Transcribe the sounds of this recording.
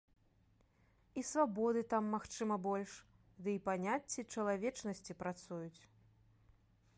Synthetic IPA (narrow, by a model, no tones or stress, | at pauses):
isvabɔd̪ɨt̪amːaxt͡ʂɨmɐbɔlʲʂ | d̪ɨipanʲat͡sʲːit͡ʂɐlˠavʲɛt͡ʂnɐsʲt͡sʲipɾat̪sujut͡sʲ